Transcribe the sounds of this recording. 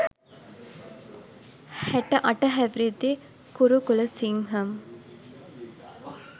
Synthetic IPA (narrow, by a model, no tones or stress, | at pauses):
hɛʈɐʔɐʈɐɦæʋɾed̪e | kuɾukulɐsiŋɦɐm